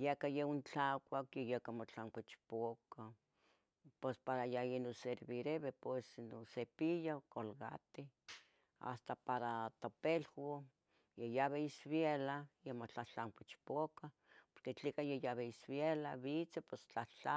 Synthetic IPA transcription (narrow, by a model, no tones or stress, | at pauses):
jekajeunt͡ɬakʷakjejekamot͡ɬaŋkʷet͡ʃpoka | pwespaɾajainoseɾβiɾeβepwesnosepijakolɣa̰t̪i | a̰st̪apaɾat̪opelko | jejaβeisβelajemot͡ɬaht͡ɬaŋkʷit͡ʃpoka | poɾket͡ɬikajejaβeisβjelaβit͡sepest͡ɬaht͡ɬa